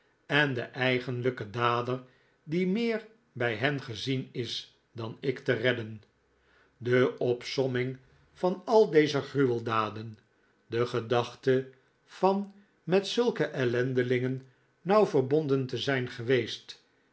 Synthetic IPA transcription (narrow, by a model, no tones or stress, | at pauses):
ɛndəʔɛjχənləkədaːdər | dimɪːɹ | bɛjɦɛnχəzinɪs | dɑnɪktərɛdən | dəɔpsɔmɪŋ | fɑnɑlˠdejzəχryʋəlˠdaːdən | dəχədɑχtə | fɑn | mɛtsɵlˠkəʔɛlɛndəlɪŋənː | ɑwvəɹbondəntəzɛjnχəʋejst